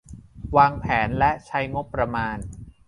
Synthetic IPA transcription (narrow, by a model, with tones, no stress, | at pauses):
waː˧ŋpʰɛː˩˦nlɛ˦˥ʔt͡ɕʰa˦˥jŋo˦˥pːɾa˧maː˧n